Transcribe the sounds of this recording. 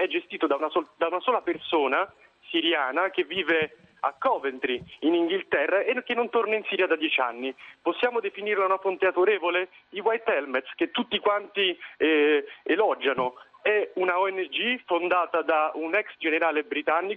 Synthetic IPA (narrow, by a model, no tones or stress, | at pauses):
ɛd͡ʒːest̪iːt̪od̪aunasɔd̪aunasɔːlapersoːna | siɾjaːnakevːiːve | a̰kːɔːvent̪ɾiiniŋɡilt̪ɛrːaekenːont̪ornainsiːɾjad̪ad̪jɛt͡ʃa̰nːiposːjaːmod̪efiniɾlaunafont̪ead̪oɾeːvole | d̪iwajt̪ɛlmɛt̪sk̟et̪ːut̪ːikwant̪iɛelɔd͡ʒːanoɛunaɔɛnːed͡ʒifond̪aːt̪ad̪aunɛksd͡ʒeneɾaːlebɾit̪anːiko